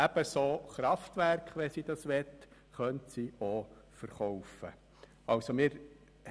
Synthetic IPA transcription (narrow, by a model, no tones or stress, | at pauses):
æb̥əsoːχɾɑftʋærkχʋɛsid̥̪ɑsʋɛt | χœntsio | fəɾχɔwfə̰ | ɑwsomɪːɾ